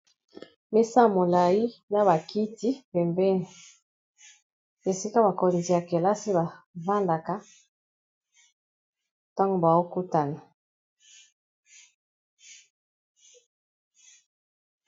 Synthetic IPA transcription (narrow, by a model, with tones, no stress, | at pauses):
me˦sa˦˨mo˨la˨ji˦na˦ba˨ki˦ti˦pɛ˨mbɛ˦n˨ | e˨si˦ka˦ba˨ko˨nzi˨a˨kɛ˨la˦si˦ba˨va˦nda˨ka˨˦ | ta˦ŋɡo˦ba˨wo˦ku˦ta˨na˨